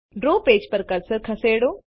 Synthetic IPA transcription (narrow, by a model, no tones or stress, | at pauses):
ɖɾoːpeːd͡ʒpəɾkəɾsəɾkʰɐseːɽoː